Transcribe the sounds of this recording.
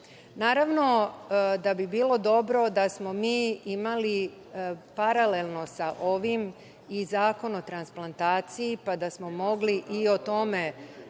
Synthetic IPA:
naːɾaʋno̞d̪abibiːlo̞d̪o̞bɾo̞d̪asmo̞miːimali | paɾale̞lˠno̞saʔo̞ʋim | izaːko̞not̪ɾansplˠant̪aːt̪sijipad̪asmo̞mo̞ɡliʔiot̪o̞me̞

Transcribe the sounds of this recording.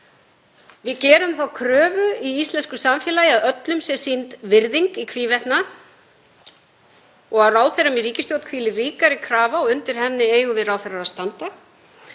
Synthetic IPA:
vɪðcɛːɾʏmθawkʰɾœːvʏiist̪lɛnskʏsamfjɛlaːjɪaðœt̪lʏmsɛsint̪vɪɾðiŋkikʰviːvɛt̪na | ɔɣaðraːwθeɾamiriːcɪst̪jowt̪kʰviːlɪriːkaɾɪkʰɾaːvaɔʏnt̪ɪɾ̥hɛnːɪeːjɣʏvɪðrawθɛjraɾaðst̪ant̪a

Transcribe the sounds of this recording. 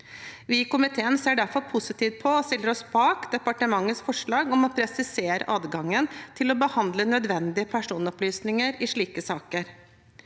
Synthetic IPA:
ʋɪkʊmɪt̪ʰeːənseːɖæɾfɔɾpʰʊsɪt̪ʰiːʋ̪̚pʰɔɔst̪ɪlːəɾɔsbɑːkd̪ɛpɑʈəmɑŋːəsfɔʂɭɑːɡɔmɑt̪pʰɾɛsɪseːɾə̰ʔɑːd̪ɡɑŋːənt̪ʰɪlɔbəhɑnd̪lənœd̪ʋɛnd̪ɪəpʰæʂuːnɔplyːsnɪŋəɾɪʂɭiːkəsɑːkəɾ

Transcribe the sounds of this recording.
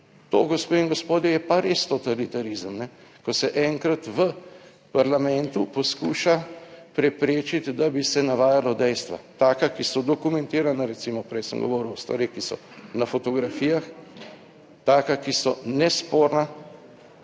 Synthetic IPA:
t̪oɡɔspeiŋɡospoːd̪jɛjɛpaɾest̪ot̪alit̪aɾizəmnɛkɔsɛʔɛŋkɾat̪ʋə | paɾlamɛnt̪upɔskuːʃapɾɛpɾeːt͡ʃit̪d̪abisɛnaʋaːjalɔd̪ɛjst̪ʋa̰t̪aːkakisɔd̪ɔkumɛnt̪iːɾanaɾɛt̪simɔpɾɛjsə̰mɡɔ̰ʋɔːɾuwɔst̪ʋaɾixkisɔ̰ | nafɔt̪ɔɡɾafiːjax | t̪aːkakisɔnɛspoːɾna

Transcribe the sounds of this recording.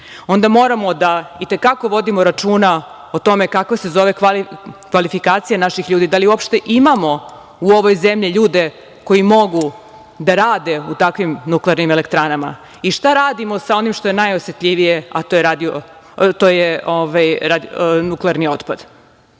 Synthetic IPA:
o̞nd̪amo̞ːɾamo̞d̪ait̪e̞kako̞ʋo̞d̪imo̞ɾat͡ʃuːna | ot̪o̞me̞kakʋase̞zo̞ʋe̞kalkʋalifikaːt̪sijanaʃixʎuːd̪id̪aliuopʃt̪e̞ʔimamo̞ | uoʋo̞jzemʎiʎuːd̪e̞ | ko̞jimo̞ɡu | d̪aɾaːd̪e̞ut̪akʋimnukleaɾnimelekt̪ɾanama̰ | iʃt̪aɾaːd̪imo̞sao̞nimʃt̪o̞je̞najosjet̪ʎʲiʋijeat̪ojeɾad̪io | t̪oːjeoʋajɾad̪nukleaɾnio̞t̪pad̪̥

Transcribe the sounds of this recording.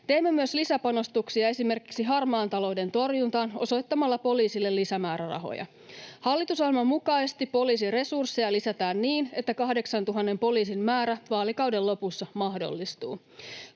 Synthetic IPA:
t̪e̞imːe̞myøslisæpɑno̞st̪uksiɑe̞sime̞rkiksiɦɑrmɑːnt̪ɑlo̞wde̞nt̪o̞rjunt̪ɑːno̞̰so̞jt̪ːɑmɑlːɑpo̞liːsilːelːisæmæːɾærɑ̰ɦo̰jɑ̰ | hɑlːit̪usɑlmɑmukɑisest̪ippo̞liːs̬ire̞sursːejɑlisæt̪æːnːiːne̞t̪ːækɑhde̞ksɑnt̪uɦɑnːe̞mpo̞liːsimmæːɾæʋɑːlikɑwde̞lːo̞pusːɑmɑɦdo̞̰lːist̪ṵː

